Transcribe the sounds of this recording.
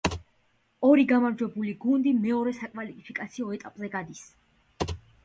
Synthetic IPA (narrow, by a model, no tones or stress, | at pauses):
ɔɾiɡamaɾd͡ʒwɛbuliɡund̪imɛɔɾɛsakʼvalipʰikʼat̪sʰiɔɛt̪ʼapʼzɛɡad̪is